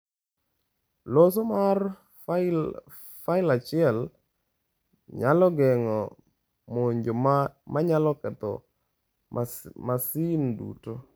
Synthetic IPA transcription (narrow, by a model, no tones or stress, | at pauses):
los̬omar | faɪlat͡ʃɪɛl | ɲalɔɡɛŋɔ | moɲd͡ʒomaɲalɔkɛt̪ɔ̰ | masindṵto